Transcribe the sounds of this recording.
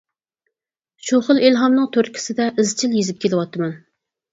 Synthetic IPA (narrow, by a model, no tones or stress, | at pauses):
ʃuχəlˠilɦɑmnɨŋt̪ʰøɾkʲi̥sɪd̪ɛʔɪzt͡ʃʰiljezɪp̚kʲʰelɪwɑt̪ɨmɛn